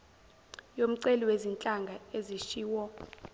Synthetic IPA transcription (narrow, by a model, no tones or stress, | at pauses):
jom̩ǀeliwezint͡ɬʼaŋɡʱaeziʃiːwɔ